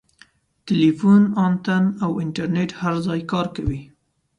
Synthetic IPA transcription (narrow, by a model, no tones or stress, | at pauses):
ʈɪlifunɑnt̪anawɪɳʈaɾneʈhaɾzɑjkɑɾkawi